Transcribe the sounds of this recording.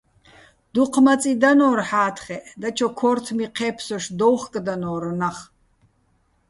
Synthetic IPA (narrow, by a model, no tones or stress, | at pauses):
d̪̥uqʰmat͡sʼid̪anɔːrħaːt̪ʰχɛʔd̪at͡ʃʰɔkʰɔrt̪ʰmiqʰɛːpʰsɔʃd̪ɔwχkʼd̪anɔːɾɔnaχ